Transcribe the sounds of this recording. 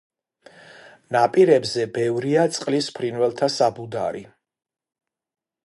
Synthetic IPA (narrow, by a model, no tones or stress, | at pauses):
napʼiɾɛbzɛbɛvɾiat̪sʼqʼlispʰɾinvɛlˠt̪ʰasabud̪aɾi